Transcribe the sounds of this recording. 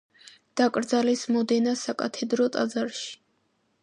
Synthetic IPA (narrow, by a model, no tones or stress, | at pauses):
d̪̥akʼɾd̪zalɛsmɔd̪ɛnasakʼat̪ʰɛd̪ɾɔt̪ʼad̪zaɾʃi̥